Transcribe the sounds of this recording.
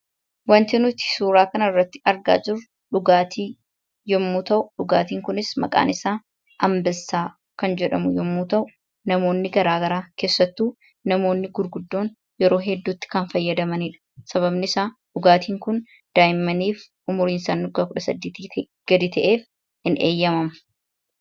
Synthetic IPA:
wɐnt̪ɪnʊt̪ɪ̥suːɾaːkɐnɐɪrːɐt̪ːɪ̥ɐɾɡa̰ːd͡ʒɪɾ | ᶑʊɡaːt̪ʰiː | jɔmːuːt̪ɐʔʊᶑʊɡaːt̪iːŋkʊnɪsmɐ̰kʼa̰ːnɪsaː | ʔɐmbɪlsaː | kɐnd͡ʒɛᶑɐmʊjɔmːuːt̪ɐʔʊ | nɐmo̞ːnːɪɡɐɾaːɡɐɾaːke̞ːsːɐt̪ːuː | nɐmo̞ːnːɪɡʊɾɡʊd̪ːo̞ːn | jɛɾo̞ːɦɛd̪ːuːt̪ːɪ̥kɐnfɐjːɐd̪ɐmɐniᶑɐ̥sɐβɐbnɪɪsaːᶑʊɡaːt̪iːŋkʊn | d̪̥aːjɪmːɐniːf | ʔʊmʊɾiːnsaːnːʊɡaːkʊᶑɐsɐ̰d̪ːiːt̪i | ɡ̥ɐd̪ɪt̪ɐʔe̞ːf | hɪnḛːjːɐmɐmɐ̥

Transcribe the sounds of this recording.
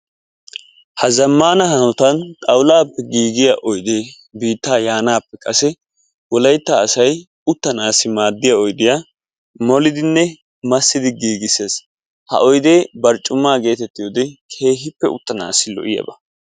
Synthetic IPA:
hɐzɐmːaːnɐhɐnɔt̪ɐnt̪ʼɐwlaːpːɛɡiːɡɪjaʔɔjd̪eː | biːt̪ːaːjaːnaːpːɛkʼɐsɛ | wɔlɐjt̪ːaːsɐj | ʊt̪ːɐnaːsːɪmaːd̪ːɪjaɔjd̪ɪjaː | mɔlɪd̪ɪnːɛ | mɐsːɪd̪ɪɡiːɡɪseːs | hɐ̰ʔɔjd̪e̞ːbɐɾt͡ʃʼːʊmːaːɡe̞ːt̪ɛt̪ːɪjoːd̪ɛkʰe̞ːɦɪpːɛʊ̰t̪ːɐna̰ːsːɪlɔ̰ʔɪjɐ̰bɐ

